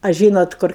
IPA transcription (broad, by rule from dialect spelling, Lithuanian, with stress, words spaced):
ɐ ˈʒʲiːnoːt ˈkʊr